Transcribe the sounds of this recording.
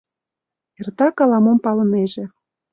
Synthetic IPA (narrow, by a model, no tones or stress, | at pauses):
ert̪ɑkɑlɑmompɑlɤ̆neʒĕ